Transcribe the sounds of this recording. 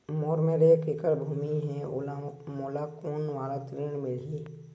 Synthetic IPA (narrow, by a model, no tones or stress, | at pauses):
moːɾmẽɾekɪkəɾbʱuːmiɦɛolamoːlakoːnʋaːɾat̪ɾiːɽmɪlɦi